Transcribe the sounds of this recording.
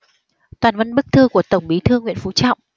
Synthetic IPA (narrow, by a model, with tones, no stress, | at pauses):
t̪waː˨˩nvə˧nɓɨ˦˥k̚t̪ʰɨ˧ku˧˩ət̪ə˧˩wŋ͡mɓi˨˦t̪ʰɨ˧əŋːwḭ˧˨ənfu˨˦t͡ɕɔ̰˧˨wŋ͡mʔ